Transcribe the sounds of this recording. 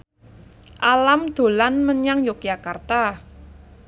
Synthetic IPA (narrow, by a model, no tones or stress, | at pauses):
ʔalamd̪̥o̤lanməɲaŋjok̚jakart̪a